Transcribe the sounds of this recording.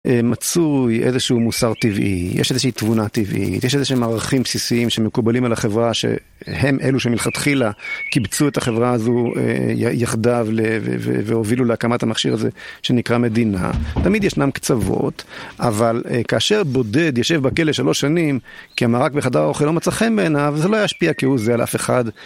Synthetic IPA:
ʔemat͡sujʔezeʃuumusaʁtivʔḭjḛʃezeʃeitvunat̪ivʔḭtjeʃezeʃeimaːʁaχimpsisiimʃemekubalimalaχevʁaʃe̞̰ | he̞mʔeluʃemilχat̪χilakibt͡suet̪aχe̞vʁaazuḛja̰jaχd̪avlevḛvḛveoviluleakamat̪hamaχʃiʁazḛʃe̞nikʁame̞d̪ina̰tamid̪jɛʃnamkt͡savo̞̰t̪avalkaːʃeʁbo̞de̞d̪jeʃe̞vbakeleʃalo̞ʃːanimkiamaʁakbeχadaʁaoχilo̞met͡saχembeːnavzelojaʃpiakihuzealʔa̰feχad̪

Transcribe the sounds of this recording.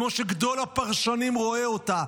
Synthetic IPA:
moʃeɡd̪o̞lapaʁʃanimʁo̞eot̪a

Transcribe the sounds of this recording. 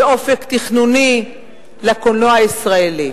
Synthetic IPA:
eʔo̞fekt̪iχnuni | lakonoaisʁaeli

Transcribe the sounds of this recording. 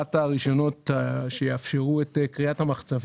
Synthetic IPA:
ataʁiʃo̞no̞tʃejeafʃe̞ʁuetkʁiathamaχt͡sav

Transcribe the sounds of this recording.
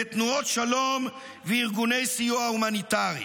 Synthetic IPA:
et̪nuotʃalo̞m | veiʁɡune̞jsijuaumanit̪aʁḭ

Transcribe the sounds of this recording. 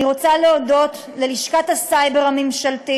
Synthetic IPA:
iʁo̞t͡saleodo̞t | leliʃkatasajbeʁamemʃalti

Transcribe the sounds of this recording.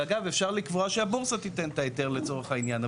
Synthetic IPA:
aɡavefʃaʁlikvoaʃeabuʁsat̪it̪ent̪aet̪eʁle̞t͡so̞ʁeχainjana

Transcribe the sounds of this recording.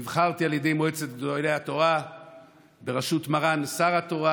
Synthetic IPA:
vχaʁt̪ialjedejmoet͡setdolejhat̪o̞ʁa | be̞ʁaʃutmaʁansaʁat̪o̞ʁa

